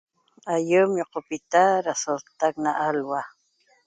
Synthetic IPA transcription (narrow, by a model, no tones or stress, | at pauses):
ajʊmjoqopɪt̪aɾasolt̪aknaʔalwa